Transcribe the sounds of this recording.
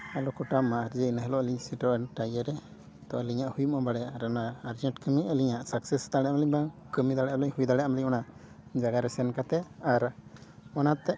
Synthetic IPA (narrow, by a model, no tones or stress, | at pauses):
alɔkɔʈamaaɾd͡ʒənaɦɛlɔʔliɲsiʈɔʔɛnʈajəɾɛ | t̪ɔəliɲaʔhujumɔbaɽɛaɾɔnaːɾd͡ʒɛɳʈkəmiəliɲaʔsaksɛst̪aɽɛʔamliɲbaŋkəmid̪aɽɛʔamliɲhujd̪aɽɛamliɲɔna | d͡ʒaɡaɾɛsɛɛnkat̪ɛaɾ | ɔnat̪ɛ